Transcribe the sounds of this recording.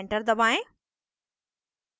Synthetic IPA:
ɳʈəɾd̪ɐbãːẽ

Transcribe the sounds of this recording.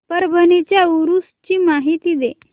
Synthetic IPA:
pəɾbʱənet͡ɕjauɾust͡ɕiːmaɦit̪iːd̪e

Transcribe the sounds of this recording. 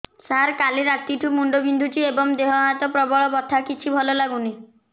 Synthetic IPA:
saɾkaliɾat̪iʈʰumuɳɖobind̪ʱut͡ʃiebɔŋd̪eɦɔɦat̪ɔpɾɔbɔɭɔbɔt̪ʰakit͡ʃʰibʱɔlɔlaɡuni

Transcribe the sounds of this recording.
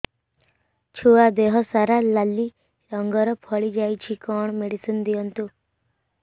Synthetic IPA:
t͡ʃʰuad̪eɦɔsaɾalalːi | ɾɔŋɡɔɾɔpʰɔɭid͡ʒajt͡ʃʰikɔɳ̃ɔmeɽisind̪iɔnt̪u

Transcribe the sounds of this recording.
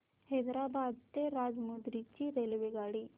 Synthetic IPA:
hed̪ɾabad̪t̪eɾad͡ʒmud̪ɾit͡ɕiɾelʋeɡaɽi

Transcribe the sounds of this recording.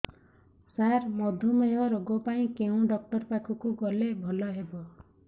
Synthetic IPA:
sarmʌd̪ʱumʌjoɾʌɡopaĩkeũɖʌk̚ʈʌrpakʰukoɡʌlebʱʌlʌɦebo

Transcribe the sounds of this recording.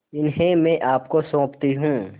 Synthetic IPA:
ɪnɦẽmẽʔaːpkosõːpt̪iɦũː

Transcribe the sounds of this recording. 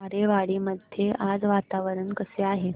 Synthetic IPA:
aɾeʋaɽiːməd̪ʱjeʔad͡zʋat̪aʋəɾənkəseaɦe

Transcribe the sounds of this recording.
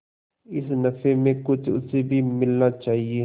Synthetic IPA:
ɪsnɐfemẽkʊt͡ʃʰʊ̰sebʱimɪlnat͡ʃaːɦie

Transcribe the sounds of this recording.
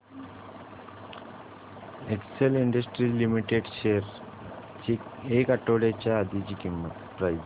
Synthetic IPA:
ekseliɳɖəsʈɾilimiʈeɖʃeɾ | t͡ɕiekaʈːoɽet͡ɕaːd̪it͡ɕikimːət̪pɾajd͡ʑ

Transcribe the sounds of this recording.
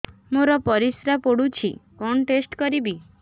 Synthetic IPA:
moɾɔpɔɾisɾapoɽut͡ʃʰḭkɔnʈesʈkɔɾibi

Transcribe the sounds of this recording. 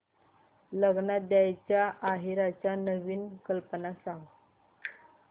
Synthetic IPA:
ləɡnad̪jajt͡ɕjaʔːɦiɾat͡ɕjanəʋiːnkəlpənasãŋɡ

